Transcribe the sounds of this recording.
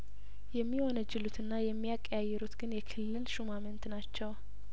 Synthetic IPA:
jɛmːiwonəd͡ʒːɨlut̪ʰɨnːajɛmːijakʼːjajːɛɾut̪ɡɨnjɛkʰɨlːɨlʃumamənt̪nat͡ʃːɛw

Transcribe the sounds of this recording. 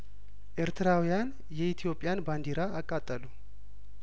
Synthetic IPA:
ʔeɾt̪ʰɨɾawijan | jɛit̪ʰijo̞pʼːjanband̪iɾaːkʼːat̪ʼːəlu

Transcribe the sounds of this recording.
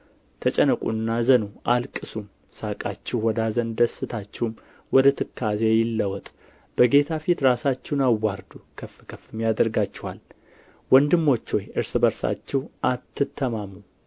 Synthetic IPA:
t̪ʰət͡ʃʼənəkʼṵnːazənuʔalkʼːɨsum | sakʼat͡ʃːɛhwɔd̪azənd̪əsːɨt̪ʰat͡ʃːɛhwm | wɔd̪ət̪ʰɨkʰːazejɪlːəwɔt̪ʼ | b̥əɡe̞t̪ʰafit̪ɾasat͡ʃːɛwnawːaɾd̪ukʰəfːɨkʰəfɨmjad̪əɾɡat͡ʃːɛwal | wɔnd̪ɨmːo̞t͡ʃːo̞jʔɨɾsɨbəɾsa̰t͡ʃːɛwʔat̪ʰːɨt̪ʰːəmamu

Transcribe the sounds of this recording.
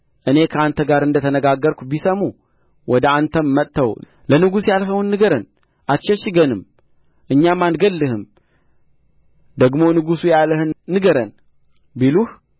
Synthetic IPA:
ʔɨne̞kʰəant̪ʰəɡaɾɨnd̪ət̪ʰənəɡaɡːəɾkʷubisəmu | wʔɔd̪əant̪ʰəmːət̪ʰːəw | lənɨɡusjalɦəwnːɨɡəɾən | ʔat̪ʃɛʃɨɡənɨm | ʔɨɲːamːanɡəlːɨhɨm | d̪əɡmo̞nɨɡusujaləhɨnːɨɡəɾən | biluh

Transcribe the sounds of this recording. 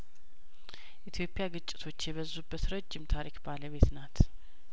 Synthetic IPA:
ʔit̪ʰjo̞pʼːjaɡɨt͡ʃʼːɪ̥t̪ʰo̞t͡ʃːjɛβəzːubːət̪ɾəd͡ʒːɪmt̪ʰaɾikbaləβe̞t̪nat̪

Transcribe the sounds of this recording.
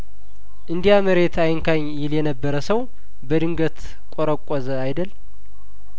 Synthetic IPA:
ʔɨnd̪ijaməɾe̞t̪ʰajɪŋkʰaɲjɪljɛnəbːəɾəsəw | bəd̪ɨŋɡət̪ | kʼoɾəkʷʼːɔzəajd̪əl

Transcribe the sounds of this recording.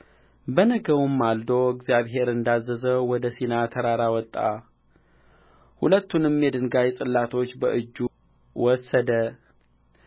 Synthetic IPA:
bənəɡəwumːald̪oɨɡzjaβɦe̞ɾɨnd̪azːəzəwɔd̪əsinat̪ʰəɾaɾawɔt̪ʼːa̰ | hṵlət̪ʰːunɨmːed̪ɨnɡajɛsʼɨlːat̪ʰo̞t͡ʃːbəʔɨd͡ʒːu | wɔsəd̪ə

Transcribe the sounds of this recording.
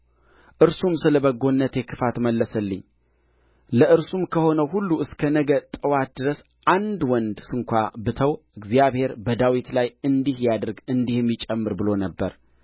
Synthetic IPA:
ʔɨɾsumsɨləbəɡo̞nːət̪jekʰɨfat̪məlːəsəlːɨ̰ɲː | ləʔɨɾsumkʰəho̞nəwɦulːuɨskʰənəɡət̪ʼəwat̪̚d̪ɨɾəs | ʔand̪wɔnd̪sɨŋkʷabɨt̪ʰəwʔɨɡzijaβhe̞ɾbəd̪awit̪lajɨnd̪ihjad̪əɾɡɨnd̪ihmːit͡ʃʼəmːɨɾbɨlo̞nəbːəɾ

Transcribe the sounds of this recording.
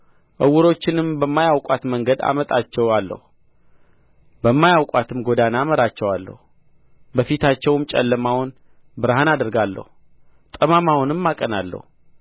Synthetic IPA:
ʔəwːʊɾo̞t͡ʃːɪnɨmbəmːajawkʼat̪məŋɡəd̪a̰mət̪ʼat͡ʃːɛwalːə̰hu | bəmːajawkʼwat̪ʰɨmɡo̞d̪anaməɾat͡ʃːɛwalːə̰hu | bəfit̪ʰat͡ʃːɛwɨmt͡ʃʼɛ̰lːəmawʊn | bɨɾhanad̪əɾɡalːə̰hu | t̪ʼəmamawʊnɨmːakʼənalːə̰hu

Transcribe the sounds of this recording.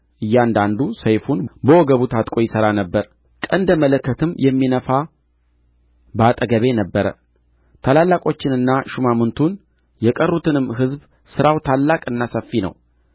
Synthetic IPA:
ʔɨjːand̪and̪usəjfunbəwɔɡəβut̪ʰat̪ʼkʼo̞jɪsəɾanəbːəɾ | kʼənd̪əmələkːət̪ʰɨmjɛmːinəfa | bat̪ʼəɡəβe̞nəbːəɾə̰ | t̪ʰalalːakʼo̞t͡ʃːɪnɨnːaʃumamɨnt̪ʰun | jɛkʼərːut̪ɨnɨmːɦɨzb | sɨɾawt̪ʰalːakʼɨnːasəfːinə̰w

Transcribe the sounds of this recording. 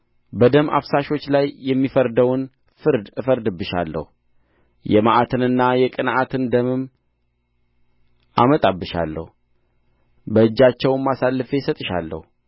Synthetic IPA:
bəd̪əma̰fsaʃo̞t͡ʃːlajːɛmːifəɾd̪əwn | fɨɾd̪ɨfəɾd̪ɨbːɨʃa̰lːə̰hu | jɛmaʔat̪ʰɨnɨnːajɛkʼɨnʔat̪ʰɨnd̪əmɨm | ʔamət̪ʼabːɨʃa̰lːə̰hu | bəɨd͡ʒːat͡ʃːɛwmːasalːɨfe̞sət̪ʼɨʃa̰lːə̰hu

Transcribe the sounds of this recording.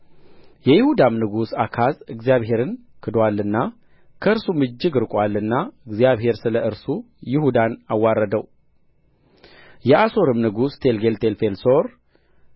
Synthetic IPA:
jɛjɪhud̪amnɨɡusakʰazɨɡzijaβhe̞ɾɨn | kʰɨd̪walːɨnːa | kʰəɨɾsumɨd͡ʒːɨɡɨɾkʼwalːɨnːaɨɡzijaβhe̞ɾsɨləɨɾsu | jɪhud̪anawːaɾːəd̪əw | jɛʔaso̞ɾɨmnɨɡust̪ʰe̞lɡelt̪ʰelfe̞lso̞ɾ

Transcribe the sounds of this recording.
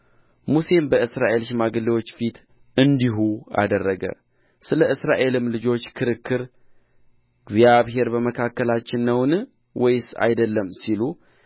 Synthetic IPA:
muse̞mbəɨsɾaʔe̞lʃ̬ɪmaɡəliwo̞t͡ʃːfit̪ʰ | ɨnd̪iɦua̰d̪ərːəɡə̰ | sɨləɨsɾaʔe̞lɨmlɨd͡ʒo̞t͡ʃːkʰɨɾɨkːɨɾ | ɡzijaβɦe̞ɾbəməkʰakːəlat͡ʃːɪnːəwnɨ | wɔjsa̰jd̪əlːəmːsilu

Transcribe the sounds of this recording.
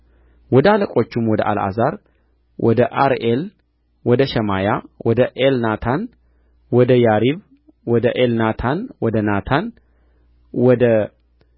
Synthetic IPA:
wɔd̪əaləkʼo̞t͡ʃːumwɔd̪əʔa̰la̰zaɾ | wʔɔd̪əʔaɾʔel | wɔd̪əʃɛmajawɔd̪əʔelnat̪ʰan | wɔd̪əjaɾiβ | wɔd̪əʔelnat̪ʰanwɔd̪ənat̪ʰan | wɔd̪ə

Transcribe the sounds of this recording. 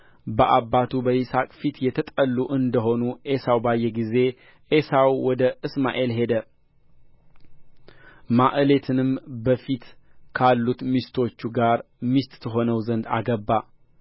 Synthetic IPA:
bəʔabːat̪ʰubəjɪsakʼfit̪jɛt̪ʰət̪ʼəlːuʔɨnd̪əɦo̞nuʔesawbajːɛɡize̞ | ʔesawwɔd̪əʔɨsma̰ʔe̞lɦe̞d̪ə | maʔɨle̞t̪ʰɨnɨmbəfit̪kʰalːut̪mist̪ʰo̞t͡ʃːuɡaɾ | mist̪ʼt̪ʰəɦo̞nəwzənd̪a̰ɡəbːa

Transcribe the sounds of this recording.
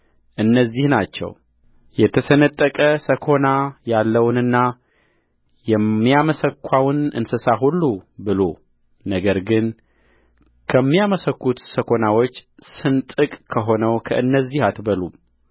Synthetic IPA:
ʔɨnːəzːihnat͡ʃːɛ̰w | jɛt̪ʰəsənət̪ʼːəkʼəsəkʰo̞najalːəwnɨnːa | jɛmːijaməsəkʰʷːawnɨ̰nsɨsaɦulːubɨlo̞ | nəɡəɾɡɨn | kʰəmːijaməsəkːut̪səkʰo̞nawot͡ʃːsɨnt̪ʼɨkʼkʰəɦo̞nəwkʰəʔɨnːəzːihat̪bəlum

